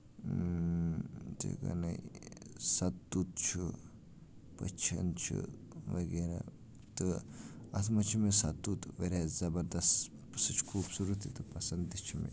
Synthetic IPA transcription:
d͡ʒḛɡɐ̰nɐjsɐt̪ːut̪̚t͡ʃʰu | pɐt͡ʃʰɐ̰nt͡ʃʰḭ | ʋɐɡeɾa̰ | t̪ɨɐt̪ʰmɐt͡ʃʰimesɐt̪ːut̪ʋeɾʲazɐbɐɾd̪ɐst̪ | psɨt͡ʃʰkʰuːbsuɾut̪ʰit̪ɨpɐsɐnd̪it͡ʃʰimḭ

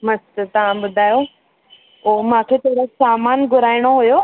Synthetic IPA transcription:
mɐst̪t̪ɐʋ̤ãbʊd̪ʱaːjo | oːmãːkʰet̪ʰoɽosaːmaːnɡʱʊɾaːɪɽ̃oɦujo

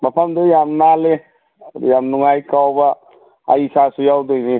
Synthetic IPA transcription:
bapʰamd̪ɯjamnale | d̪jamnuŋajkawba | a̰jsasujawd̪ɯjni

